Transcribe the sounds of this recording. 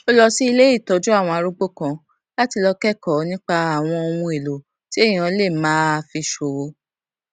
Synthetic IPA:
o˦lɔ˧si˦i˧le˦i˦˨tɔ˨˦d͡ʒu˦a˦˨w̃ɔ̃˧a˧ɾu˦ɡ͡bo˦˨kã˧ | la˦ti˧lɔ˧kɛ˦kɔ˨nĩ˦k͡pa˧a˨w̃ɔ̃˧o˧w̃ũ˧e˨lo˨ | ti˦e˦˨jĩ˨ã˧˦le˦˨mãː˨˦fi˧ʃo˨o˧

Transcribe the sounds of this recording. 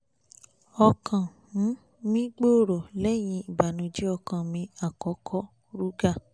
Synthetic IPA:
ɔ˧kʰã˨ | nũ˨˦ | mĩ˦ɡ͡bo˦˨ɾo˨lɛ˨˦j̃ĩ˧i˨ba˨nũ˨˧d͡ʒi˦ɔ˧kã˨mĩ˧a˨kɔ˨˦kʰɔ˦ | ɾu˦ɡa˦˨

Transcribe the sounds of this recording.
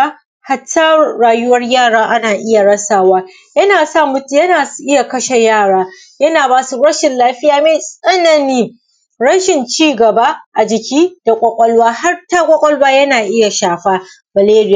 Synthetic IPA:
a˦ | ha˨tʰːɐː˦aː˨jʊ˦wɐ˦rjaː˦˨ɽaː˦ʔa˦naː˨ʔɪ˦ja˨ɽɐ˦saː˨waː˦ | jɐ˦naː˨sa˦˨mʊ˦tjɐ˦naː˨su˨˦ʔɪ˦ja˨kɐ˦ʃe˨jaː˦˨ɽaː˦ | jɐ˦naː˨baː˦su˦ɾɐ˦ʃɪ˨nlaː˦ɸɪ˦jaː˨me˨sʼɐ˦nɐ˨niː˦ | ɽɐ˦ʃɪ˨nt͡ʃiː˦ɡɐ˨ba˦ʔa˨d͡ʒɪ˨kʲiː˦d̥a˨kʷʼɔ˨kʷʼɔ˦lwaː˦ha˦rtaː˦kʷʼɔ˦kʷʼɔ˦lwaː˦jɐ˦naː˨ʔɪ˦ja˨ʃaː˨ɸa˦ | bɐ˨leː˦ɾɪ˦jaː˨

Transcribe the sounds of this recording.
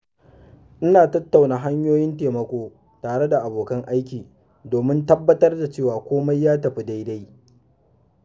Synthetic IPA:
ʔɪ˦naː˨tɐ˦tːa˨wnaː˨ɦa˦ɲjoː˦jɪ˦nteː˨mɐ˨kʷoː˦ | taː˨ɽe˦da˨ʔa˨boː˨kɐ˦ŋʔa˦jkʲiː˨ | doː˨mɪ˦ntɐ˦bːɐ˦tɐ˦rda˨t͡ʃeː˦˨waː˨kʷoː˦ma˦jːaː˦tɐ˨ɸi˦da˦jda˦j

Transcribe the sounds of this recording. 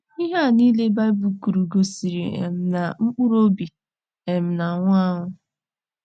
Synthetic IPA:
i˦ɦa˦˨ni˦le˦ba˦ɪ˦bu˨ku˨ɾu˨ɡo˨si˨ɾḭ˨ḛ˨m̩˨na˨ŋ͡m̩˦k͡pʊ˦ɾo˦bi˨ | e˨m̩˨na˨ŋʷ˦a˦ŋʊ˦

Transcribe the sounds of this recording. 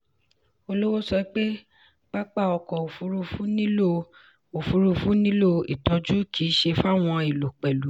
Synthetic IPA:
o˧lo˦wo˦sɔ˧i˦k͡pe˦ | k͡pa˦k͡pa˦˨ɔ˧kɔ˨o˨fu˧˦ɾu˧fũ˦nĩ˦o˦ | o˨fu˨˧ɾu˧fũ˦nĩ˦lo˦ḭ˨tɔ˨˧d͡ʒu˦kʰi˨˦ʃe˧fa˦˨w̃ɔ̃˧i˨lo˨k͡pɛ˨lu˨˦

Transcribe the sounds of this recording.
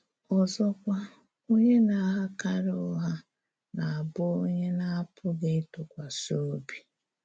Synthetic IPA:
ɔ˨zɔ˦kʷa˦ | o˦ɲe˦na˨ɦa˦ka˦ɾʊ˦ɦa˦ | na˨a˨bʊ˦o˦ɲe˦na˦a˦pʰʊ˦ɡe˦i˦tʊ˨kʷa˨so˦bi˦˨

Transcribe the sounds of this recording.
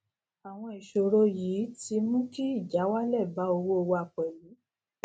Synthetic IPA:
a˨w̃ɔ̃˧i˨ʃo˨ɾo˧jiː˨˦ti˧mũ˦ki˦i˦˨d͡ʒa˨˦wa˦lɛ˦˨ba˨˦o˧wo˦o˧wo˧a˧˨k͡pɛ˨lu˨˦

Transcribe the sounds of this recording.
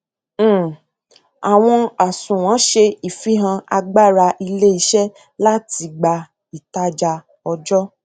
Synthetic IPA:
a˨w̃ɔ̃˧a˨sũ˨w̃ɔ̃˨˦ʃe˧i˨fi˨˦ɦã˧a˧ɡ͡ba˦˨ɾa˧ʔi˧le˦i˧ʃɛ˦ | la˦ti˧ɡ͡ba˧ | i˨ta˦d͡ʒa˧ | ɔ˧d͡ʒɔ˦

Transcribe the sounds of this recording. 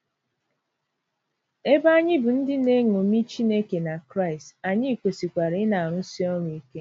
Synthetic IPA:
e˦ba˦ɲɪ˦bʊ˨n̩˦dɪ˦ne˦ŋo˨mi˦t͡ʃi˦ne˦ke˨na˨kɾa˦˨ɪ˨sta˨ɲɪ˦˨kʷe˨si˨kʷa˨ɾɪ˨˦na˨a˨ɾʊ˦si˦ɔ˦ɾu˨i˦ke˦

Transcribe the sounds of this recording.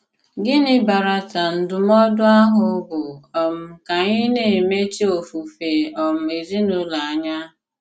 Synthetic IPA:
ɡɪ˦nɪ˦ba˨ɾa˨ta˨n̩˨dʊ˨m˦ɔ˦dʊ˦a˦ɦʊ˨˦bʊ˨ɔ˨m̩˦˨ka˨ɲɪ˦ne˨me˦t͡ʃi˦o˨fu˨fe˨ɔ˨m̩˨e˨zi˦nu˦la˨a˨ɲa˦

